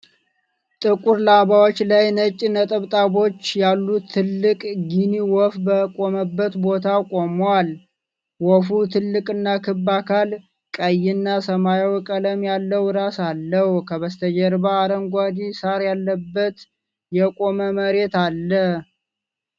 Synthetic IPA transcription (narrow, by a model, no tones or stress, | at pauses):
t̪ʼɨkʼuɾlabawot͡ʃːlajnət͡ʃʼːinət̪ʼəβt̪ʼabo̞t͡ʃːjalːut̪ʰːɨlːɨkʼɡiniwɔfbəkʼo̞məbːət̪bo̞t̪ʰakʼo̞mwal | wɔfut̪ʰɨlːɨkʼɨnːakʰɨbːakʰal | kʼəjːɪnːasəmajwkʼələmjalːəwɾasalːəhkʰəβəst̪ʰəd͡ʒɛɾbaːɾəŋɡʷad̪isaɾjalːəbːət̪ | jɛkʼo̞məməɾe̞t̪alːəh